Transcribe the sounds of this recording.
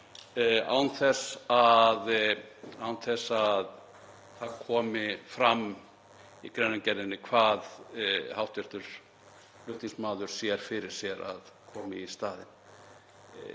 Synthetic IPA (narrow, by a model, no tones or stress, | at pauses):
a̰wnθɛsað | awnθɛsað | θaðkʰɔːmɪfɾamː | ḭkɾɛnːacɛɾɪnːɪkʰvaːðhawht̪ʰɪɾ̥t̪ʏɾ̥ | lʏht̪iŋsmaːðʏɾ̥sjɛɾ̥fɪɾɪɾ̥sjɛɾa̰ðkʰɔːmɪist̪aːðɪ̰n